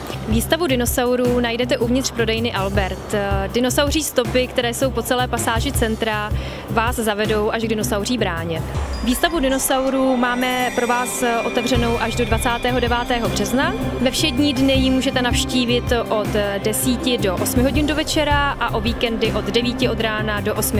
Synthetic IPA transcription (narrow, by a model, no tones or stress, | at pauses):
viːst̪avudɪnosawɾuːnajdɛt̪ɛʔuvɲɪt̪r̥pɾo̞dɛjnɪʔalbɛɾt̪dɪno̞sawriːst̪o̞pɪkt̪ɛɾɛːso̞wpo̞t͡sɛlɛːpasaːʒɪt͡sɛnt̪ɾa | vaːzzavɛdo̞wʔaʒɡdɪno̞sawr̝iːbɾaːɲɛviːst̪avudɪno̞sawɾuːmaːmɛpɾo̞vaːsʔo̞t̪ɛvrɛno̞wʔaʒdo̞dvat͡saːt̪ɛːɦo̞dɛvaːt̪ɛːɦo̞br̝̥ɛznavɛfʃɛdɲiːdnɪjɪmuːʒɛt̪ɛnafʃciːvɪt̪ʔo̞t̪dɛsiːcɪdo̞ʔosmɪɦo̞ɟɪndo̞vɛt͡ʃɛɾaʔaʔo̞viːkɛndɪʔo̞d̪dɛviːcɪʔo̞d̪ɾaːnado̞ʔo̞smɪ